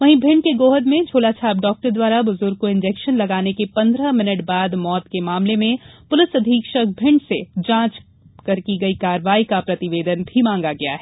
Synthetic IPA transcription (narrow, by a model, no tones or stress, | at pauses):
ʋɐɦĩbʱɪ̃ɳɖ̚keɡoːɦəd̪mẽd͡ʒʱoːlat͡ʃʰaːbɖɔːk̚ʈəɾd̪waːɾabʊzʊɾɡ̚koɪ̃nd͡ʒeːkʃənlɐɡaːnekepɐ̃nd̪ɾəmɪnəʈbaːd̪mɔːt̪kemaːmlemẽpʊlɪsɐd̪ʱiːkʃək̚bʱɪ̃ɳɖsed͡ʒãːt͡ʃ | kɐɾkiɡɐikaːɾʋaːikapɾɐt̪ɪʋeːd̪ənbʱimãːŋ̆ɡaɡɐja̰ɦɛː